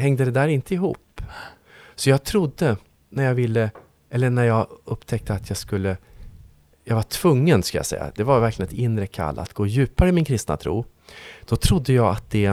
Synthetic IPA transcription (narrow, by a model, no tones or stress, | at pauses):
hɛŋd̪əd̪ɛd̪æːɾɪnt̪əɪɦṵːp | sɔjɑːɡ̚t̪ʰɾʊd̪ːə | næɾjɑːvɪlːə | ʔɛlːəɳæɾjɑɡɵpːt̪ʰɛk̚t̪əat̪ʰjɑːɡskɵlːə | jɑɡvaʈʰv̥ɵŋːənsklja̰sɛ̰jːa̰d̪ɛvaɾvæɾklɪənɛt̪ɪnːɾəkʰa̰lːa̰t̪ɡoːjʉ̟ːpaɾəɪmɪnkʰɾɪst̪na̰t̪ʰɾṵː | d̪̥ɔt̪ʰɾʊd̪ːəjɑːɡat̪̚d̪̥ɛ